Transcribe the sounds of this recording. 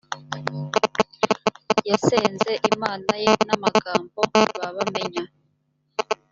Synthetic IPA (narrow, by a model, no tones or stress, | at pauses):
jaseːnze̞ʔimaːnaje̞namaɡaːmbo̞βaβame̞ɲa